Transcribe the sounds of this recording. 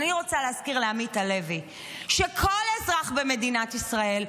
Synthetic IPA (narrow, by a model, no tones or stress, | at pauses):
niʁo̞t͡saleɦaskiʁleamitale̞vi | ʃekʰo̞lezʁaχbe̞me̞dinatisʁae̞l